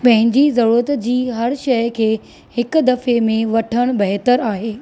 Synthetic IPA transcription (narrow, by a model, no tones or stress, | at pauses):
pɐ̃ɦɪ̃ɲd͡ʑizɐɾuət̪d͡ʑiːɦɐɾʃɐjkʰeː | hɪk̆d̪ɐfemẽʋɐʈʰəɽ̃bɐɦt̪əɾaːɦeː